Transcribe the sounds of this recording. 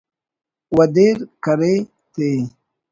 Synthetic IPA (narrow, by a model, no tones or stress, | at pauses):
wɐd̪eɾkɐɾe | t̪eː